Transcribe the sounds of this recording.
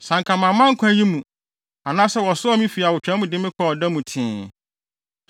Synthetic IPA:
sã˨ŋkʰã˨mã˨mã˦ŋ̩˦kʷʰã˦ji˦mũ˨ | a˨nãː˦sɛ˦wɔ˨sʊ˦ɔ˦mĩ˦fi˨a˨wʊ˨t͡ɕᶣɛ̃˦mũ˨dɪ˦mɪ̃˦kʰɔ˨ɔ˨dɛ˦mũ˨tʰɪ̃ː˨˦

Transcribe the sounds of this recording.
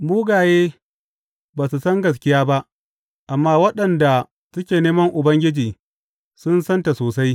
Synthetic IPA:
muː˦ɡaː˨jeː˦ | baː˨su˨sɐ˦ŋɡɐ˨s̬kʲɪ˦jaː˦ba˦ʔ | ʔa˨mːaː˦wɐ˦ɗɐ˨nda˨ | sʊ˦kʲeː˨neː˦mɐ˦ŋʔʊ˨bɐ˦ŋɡʲɪ˦d͡ʒiː˨ | sʊ˦nsɐ˦nta˨soː˨sa˦j

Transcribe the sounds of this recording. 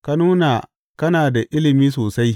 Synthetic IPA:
ka˦nuː˦na˨ | kɐ˦naː˨da˨ʔɪ˦lɪ˨miː˦s̬oː˨sa˦j

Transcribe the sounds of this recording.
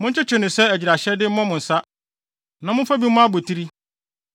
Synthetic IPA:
mʊ̃˦ɲ̩˦t͡ɕʰɪ˦t͡ɕʰɪ˨nɪ̃˨sɛ˦æ˨d͡ʑi˨ɾa˨ɕɛ˦dɪ˦m̩˦mã˦mʊ̃˨n̩˨sa˦ | nã˨mʊ̃˦fa˦bi˦mmʊ̃˦a˦bo˨tʰi˦ɾi˦

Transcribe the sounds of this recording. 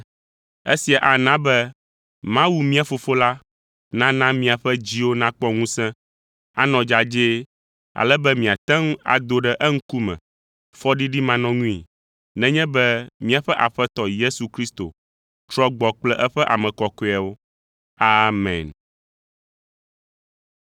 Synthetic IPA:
e˦si˨a˨ʔa˨nã˦bɛ˦ | mã˦wu˨mĩ˦a˨fo˨fo˦la˦ | nã˦nã˦mĩ˦a˨ɸɛ˦d͡ʑi˦wo˦nã˦k͡pɔ˦ŋũ˦sɛ̃˦ | a̰˦nɔ̃˨d͡ʒa˨d͡ʒe˦ | a̰˨lɛ˦bɛ˦mĩ˨a˨t̪ɛ̃˦ŋ˦a̰˨d̪o˦ɖɛ˦ʔɛ˦ŋ̩˦ku˦mɛ̰̃˨ | fɔ˦ɖi˦ɖi˦mã˨nɔ̃˦ŋũ˦ḭ˨ | nɛ̃˦ɲɛ̃˦bɛ˦mĩ˦a˨ɸɛ˦ʔa̰˨ɸɛ˦t̪ɔ˨je˦su˨kɾi˦st̪o̰˨ | t̪ɾɔ˦ɡ͡bɔ˨k͡plɛ˦ʔɛ˦ɸɛ˦ʔa˨mɛ̃˨kɔ˨kɔ˦˨a˨wo˦ | a˦mɛ̰̃˨n

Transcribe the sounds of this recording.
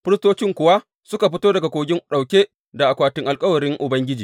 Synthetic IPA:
ɸɪ˦ɾɪ˦stoː˦t͡ʃɪ˦ŋkʷʊ˨wa˦ | sʊ˦ka˨ɸɪ˦toː˦dɐ˨ɡa˨kʷoː˨ɡʲɪ˦ŋɗa˨wkʲeː˦ | da˨ʔa˨kʷaː˨tɪ˦ŋʔa˨lkʼɐ˦wɐ˨ɽɪ˦ŋʔʊ˨bɐ˦ŋɡʲɪ˦d͡ʒiː˨

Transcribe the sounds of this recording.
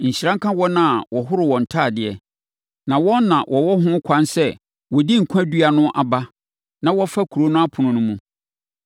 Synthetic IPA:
ɲ̩˨ɕi˨ɾã˦ŋ̩˦kʰã˦wɔ˦nã˦˨wɔ˨ɦʊ˦ɾɪ˨wɔ̃˨n̩˨tʰaː˦˨dɪ˨ɛ˨ | nã˨wɔ̃˦nːã˨wʔɔ˨wɔ˦ɦʊ̃˦kʷʰã˦nsɛ˦ | wɔ˨di˦ŋ̩˨kʷʰã˦dɥa˨nʊ̃˦ʔa˨ba˦ | nã˨wɔ˦fa˦kʰu˨ɾo˦nʊ̃˦a˦pʰʊ˨nʊ̃˦nʊ̃˦mũ˦

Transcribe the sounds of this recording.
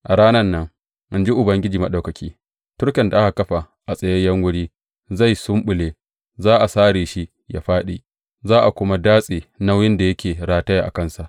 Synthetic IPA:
ʔa˨ɽaː˦nɐ˦nːɐ˦ŋ | ʔɪ˦nd͡ʒi˦ʔʊ˨bɐ˦ŋɡʲɪ˦d͡ʒiː˨ma˨ɗa˨wkɐ˨kʲiː˦ | tʊ˦ɽkʲɐ˨nda˨ʔa˦ka˨kɐ˦ɸa˨ | ʔa˨sʼɐ˨jɐ˦jɐ˦ŋwʊ˦ɽiː˦ | za˦˨jsʊ˦mɓʊ˨leː˨˦ | zaː˦ʔa˨saː˦ɽeː˨ʃi˦ | ja˦ɸaː˦ɗiː˨ | zaː˦ʔa˨kʷʊ˦ma˦daː˦sʼeː˨na˦wjɪ˦nda˨jɐ˦kʲeː˨ɾaː˦tɐ˦ja˦˨ʔa̰˨kɐ˦˨nsa˨ʔ

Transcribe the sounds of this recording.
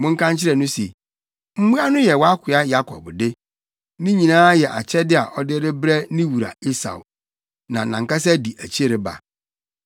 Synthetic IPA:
mʊ̃˦ŋ̩˦kʰã˦nt͡ɕʰɪ˦ɾɛ˨nʊ̃˦se˨ | m̩˦mũ˦a˦nʊ̃˦jɛ˨wɔ˦a˦kʰɪ˨a˦ja˦kʰɔ̰˨bdɪ˦ | nĩ˦ɲĩ˨nãː˦jɛ˨ʔa˨t͡ɕʰɛ˦dɪ˦a̰˨ʔɔ˦dɪ˦ɾɪ˦bɾɛ˦nĩ˦wu˨ɾa̰˨i˦sa̰˨ʊ̰˨ | nã˨nã˨ŋka˦s̬ɛ˦di˨ʔæ˨t͡ɕʰi˦e˦˨ɾɪ˨ba̰˨

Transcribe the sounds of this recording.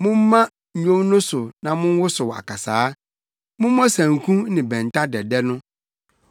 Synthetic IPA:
mʊ̃˦m̩˦mã˦ | ɲ̩˨ɲõ˦mnʊ̃˦sʊ˨nã˨mʊ̃˦n˦wʊ˦sʊ˨wa̰˨kʰa˨saː˨˦ | mʊ̃˦m˦mɔ̃˦sæ̃˨ŋ˨kʰũ˦nɪ̃˨bɛ̃˨n˨tʰa˦dɛ˨dɛ˦nʊ̃˦

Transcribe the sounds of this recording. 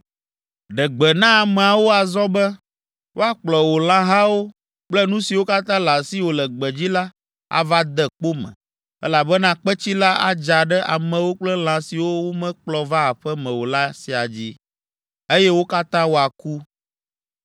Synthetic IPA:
ɖɛ˨ɡ͡bɛ˨nã˦a˨mɛ̃˨a˨wo˦a˨zɔ˦bɛ˦ | wʔo˦a˨k͡plɔ˨wo˨l̃ã˦ɦa˦wo˦ | k͡plɛ˦nũ˦si˨wo˦ka˦t̪ã˦la˨si˦wo˨lɛ˨ɡ͡bɛ˨d͡ʑi˦la˦ | a̰˨va˦d̪ɛ˦k͡po˦mɛ̰̃˨ | ɛ˦la˨bɛ˦nã˦k͡pɛ˦t͡ɕi˦la˦a̰˦d͡ʒa˨ɖɛ˦ʔa˨mɛ̃˨wo˦k͡plɛ˦l̃ã˨si˨wo˦wo˦mɛ̃˦k͡plɔ˨va˦a˨ɸɛ˦mɛ̃˨wo˨la˦si˨a˨d͡ʑi˦ | e˦jɛ˦wo˦ka˦t̪ã˦wo˦a˨ku˦

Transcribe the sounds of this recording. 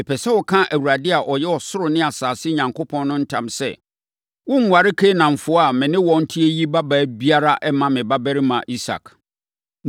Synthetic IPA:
ɛ˨pʰɛ˨sɛ˦wɔ˦kʰã˦ʔæ˨wu˨ɾa˨dɪ˦a˨ʔɔ˨jɛ˦ɔ˨sʊ˦ɾʊ˨nɪ̃˦a˨saː˨sɪ˦ɲã˨ŋkʰo˦pʰɔ̃˦nː˦ʊ̃˦n̩˦tʰã̰˨msɛ̰˨ | wʊ̃˦ŋ̩ʷ˨a˨ɾɪ˦kʰe˦nã˨ɱ̩˨fʊ˦a˨mɪ̃˨nɪ̃˦wɔ̃˦n̩˦tʰɪ˦e˦ji˦ba˦bæː˨˦bi˦a˦ɾa˦ʔɛ˦mã˨mɪ̃˨ba˦bæ˦ɾi˦mã˨ʔi˦sa̰˨k

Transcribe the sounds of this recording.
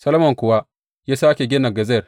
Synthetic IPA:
sɐ˦lo˦mɔ˨ŋkʷʊ˨wa˦ | jaː˦saː˦kʲe˨ɡʲɪ˦na˨ɡɐ˨zɛ˦˨r

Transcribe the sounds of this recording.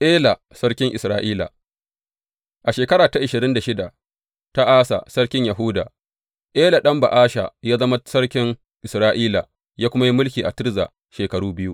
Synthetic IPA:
ʔeː˦la˨ | sɐ˦ɽkʲɪ˦ŋʔɪ˨sɾaː˦ʔiː˦la̰˨ | ʔa˨ʃeː˨kɐ˦ɾaː˨ta˦ʔɪ˨ʃɪ˨ɾɪ˦nda˨ʃɪ˦da˨ | ta˦ʔaː˦sa̰˨sɐ˦ɽkʲɪ˦ɲjɐ˨ɦʊ˦da̰ː˨ | ʔeː˦la˨ɗɐ˦mba̰˨ʔaː˦ʃa̰˨jaː˦zɐ˦ma˦sɐ˦ɽkʲɪ˦ŋ | ʔɪ˨sɾaː˦ʔiː˦la˨ | jaː˦kʷʊ˦ma˦ji˦mʊ˦lkʲiː˨ʔa̰˨tɪ˦ɾza̰˨ | ʃeː˨kɐ˨ɽuː˦bɪ˦ju˦ʔ

